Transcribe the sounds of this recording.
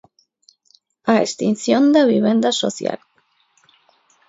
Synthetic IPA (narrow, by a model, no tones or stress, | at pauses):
aḛst̪inθjond̪eβiβend̪asoθja̰l